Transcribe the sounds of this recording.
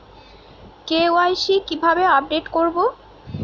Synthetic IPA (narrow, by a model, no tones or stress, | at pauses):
keoajsikibʱabeap̚ɖeʈkoɾbo